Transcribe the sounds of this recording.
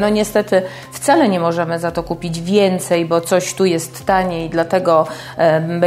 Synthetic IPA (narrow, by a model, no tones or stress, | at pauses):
nɔɲɛst̪ɛt̪ɘ | ft̪salɛɲɛmɔʐɛmɘzat̪ɔkupʲid͡ʑvʲjɛnt̪sɛjbɔt̪sɔɕt̪ujɛst̪ːaɲɛid̪lat̪ɛɡɔ | bɛ